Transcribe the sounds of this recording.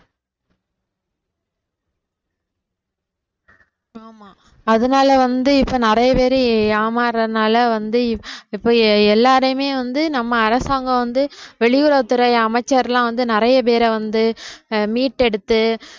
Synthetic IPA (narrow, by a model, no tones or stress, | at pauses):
aːmaː | ɐðɯnaːlɐʋɐnd̪ɯɪpːoːnɪɾɐjɐpeːɾɯaːmaːɾɐɯnaːlɐʋɐnd̪ɯɪpːoːɛlːaːɾɐjɯmeːʋɐnd̪ɯnɐmːɐːɾɐsaːŋɡɐ̃ʋɐnd̪ɯʋɛɭɪjʊɾɐːt̪ːɯɾɐɪɐmɐɪt͡ʃːɐɾlãːʋɐnd̪ɯnɪɾɐjɐp̬eːɾɐʋɐnd̪ɯmiːʈːɛɽɯt̪ːɯ